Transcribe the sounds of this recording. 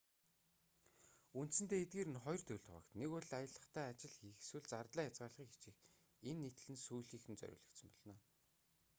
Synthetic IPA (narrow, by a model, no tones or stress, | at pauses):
unt̪sɘ̆nt̪eːet̪̚ɡeːɾɘ̆nχɔjrt̪ʰɵɮʲt̪ʰɔʁə̰̆ːkt̪neɣʊɮajə̆ɮə̆χt̪ʰæːat͡ɕɪ̆ɮxixswɘ̆ɮt͡sart̪ɮæːjat͡sɢaːɮʁiːke̥t͡ɕɪ̆x | enːet̪̆ɮɘ̆nsujɮiːxɘ̆nt͡sœ̰ɾʲʊ̰ːɮə̆k̪sə̆mpɔɮnɔː